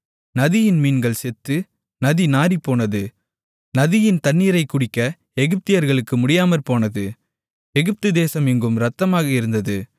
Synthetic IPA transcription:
nɐðɪjɪnmiːnɡɐɭsɛt̪ːɯ | nɐðinaːɾipoːnɐðɯ | nɐðɪjɪnt̪ɐnːiːɾɐɪkːʊɽɪkːɐ | ɛɣɯp̚t̪ɪjɐɾɣɐɭɯkːɯmʊɽɪjaːmɐɾpoːnɐðɯ | ɛɣɯp̚t̪ɯd̪eːsɐmɪŋɡɯmɾɐt̪ːɐmaːɣɐɪɾɯnd̪ɐðɯ

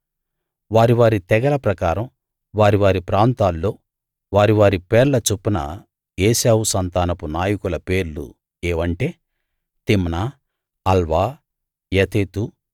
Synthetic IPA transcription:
ʋaːɾiʋaːɾit̪ɛɡɐlɐpɾɐkaːɾɐm | ʋaːɾiʋaːɾipɾaːnt̪aːlːo̞ː | ʋaːɾiʋaːɾipeːɾlɐt͡ʃupːunɐ̰ | eːsaːwusɐnt̪aːnɐpunaːjɐkulɐpe̞ːɾlṵ | eːʋɐɳʈe̞ː | t̪imnaː | ɐlʋaː | jet̪eːt̪u

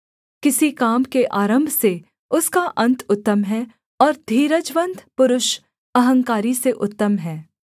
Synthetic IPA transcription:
kɪsikaːmkeʔaːɾə̃mbʱse | ʊskaʔɐ̃nt̪ʊt̪ːəmɦɛ | ɔːɾd̪ʱiːɾəd͡ʒʋə̃nd̪pʊɾʊʃ | ɐɦə̃ŋkaːɾiseʔʊt̪ːəmɦɛː

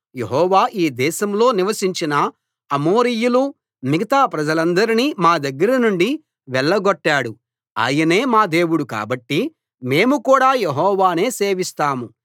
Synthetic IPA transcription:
jeɦɔːʋaːʔiːd̪ɛːʃɐmlo̞ːniʋɐsiɲt͡ʃinɐ | ɐmo̞ːɾijulu | miɡɐt̪aːpɾɐd͡ʒɐlɐnd̪ɐɾinimaːd̪ɐɡːɐɾɐnuɳɖi | ʋɛɭːɐɡɔʈːaːɽu | a̰ːjɐne̞ːmaːd̪e̞ːwuɽuka̰ːbɐʈːi | me̞ːmukuːɽaːjeɦɔːʋaːne̞ːse̞ːʋist̪aːmu

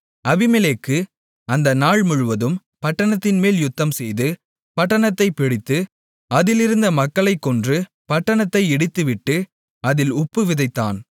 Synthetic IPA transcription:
ɐʋɪmɛleːkːɯ | ɐnd̪ɐnaːɭmʊɻʊʋɐðɯm | pɐʈːɐɳɐt̪ːɪnmeːljʊt̪ːɐmsɛjðɯ | pɐʈːɐɳɐt̪ːɐɪpːɪɽɪt̪ːɯ | ɐðɪlɪɾɯnd̪ɐmɐkːɐɭɐɪkːɔndrɯ | pɐʈːɐɳɐt̪ːɐɪɛɽɯt̪ːɯʋɪʈːɯ | ɐðɪlʊpːɯʋɪðɐɪt̪ːa̰ːn

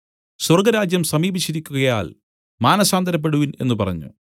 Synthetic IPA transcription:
swɐrɡɐɾaːd͡ʑjɐmsɐmiːbit͡ɕːiɾikʲːuɣɐja̰ːl | maːnɐsaːnd̪ɐɾɐp̬ːe̞ɽuʋine̞nːupɐrɐ̰ɲːṵ

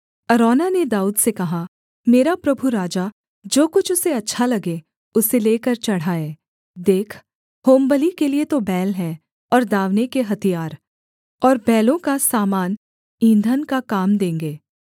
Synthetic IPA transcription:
ɐɾɔːnaned̪aːuːd̪sekɐɦa | meːɾapɾɐbʱuɾaːd͡ʒa | d͡ʒoːkʊt͡ʃʰʊseɐtːʃʰalɐɡe | ʊseleːkɐɾt͡ʃɐɽ̤aːeː | d̪eːkʰ | hoːmbəlikeliet̪obɛːlɦɛ̃ | ɔːɾd̪aːʋnekeɦɐt̪ijaːɾ | ɔːɾbɛːlõkasaːmaːn | ĩːnd̪ʱənkakaːmd̪ẽːŋɡeː

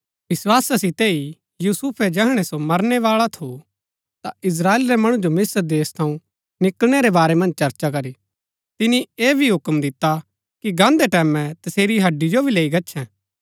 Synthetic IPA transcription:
ʋɪswaːsasɪt̪ei | juːsuːpʰɛd͡ʒɛɦɽ̃esomɐɾneʋaːɭat̪ʰo | t̪aɪs̬ɾaːeːlɾemɐɽ̃ũd͡ʒomɪsəɾd̪eːst̪ʰɐ̃ũ | nɪkəlɽ̃eɾebaːɾemɐ̃nd͡ʒt͡ʃɐɾt͡ʃakɐɾi | t̪ɪnieːbʱiɦʊkəmd̪ɪt̪ːa | kiɡãːnd̪eʈɛːmɛ̃t̪ɐseːɾiɦɐɖːid͡ʒobʱileːiɡɐtːʃʰɛ̃ː

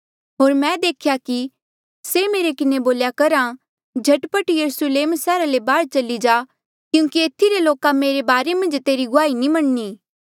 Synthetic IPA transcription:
ɦoːɾmɛ̃d̪eːkʰjaki | semeːɾekɪneboːljakɐɾa | d͡ʒʱɐʈpəʈjɐɾusəleːmsɛːɾalebaːɾt͡ʃɐlid͡ʒaː | kjũːkieːt̪ʰːiɾeloːkameːɾebaːɾemɐ̃nd͡ʒt̪eːɾiɡʊaːinimɐɳniː

